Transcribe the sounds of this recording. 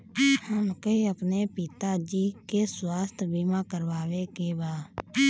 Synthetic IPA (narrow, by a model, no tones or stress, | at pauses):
həmkeiəpneːpɪt̪aːd͡ʒiːkeswaːst̪ʰbiːmãːkəɾʋaːʋeːkeːbaː